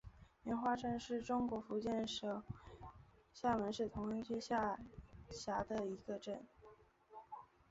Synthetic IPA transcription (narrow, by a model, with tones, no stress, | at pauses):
mjɛ˧˥nxwa˥˧ʈ͡ʂə˥˧nʂɻ̩˥˩ʈ͡ʂʊ˥ŋkwɔ˧˥fu˧˥t͡ɕjɛ˥˩nʂ | ɕja˥˩mə˧˥nʂɻ̩˥˩t̪ʰʊ˧˥ŋə˥nt͡ɕʰy˥ɕa˥˩ɕja˧˥d̪ə˧i˧˥ɡə˧ʈ͡ʂə˥˩n